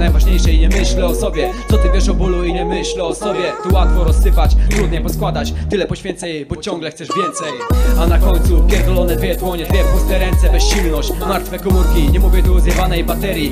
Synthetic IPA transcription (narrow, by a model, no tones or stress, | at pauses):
najvaʐɲejʂɛjɲɛmɘɕlɛɔsɔbʲjɛt̪sɔt̪ɘvʲjɛʂɔbuluiɲɛmɘɕlɛɔsɔbʲjɛt̪uwat̪fɔɾɔsːɘpat͡ɕt̪ɾud̪ɲɛjpɔskwad̪at͡ɕt̪ɘlɛpɔɕfʲɛnt̪sɛjbɔt͡ɕɔŋɡlɛxt̪sɛʐvʲjɛnt̪sɛjanakɔɲt̪supʲɛɾd̪ɔlɔnɛd̪vʲjɛt̪wɔɲɛd̪vʲjɛpust̪ɛɾɛnt̪sɛbɛsɕilnɔɕt͡ɕmaɾt̪fɛkɔmuɾkʲiɲɛmuvʲjɛt̪uɔzjɛvanɛjbat̪ɛɾʲji